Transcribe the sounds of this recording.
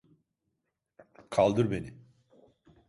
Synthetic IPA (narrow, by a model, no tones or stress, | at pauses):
kʰalˠd̪ɯɾbeni